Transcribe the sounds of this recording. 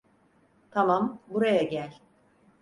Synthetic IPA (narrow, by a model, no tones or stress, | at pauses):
t̪ʰamambuɾajaɟælʲ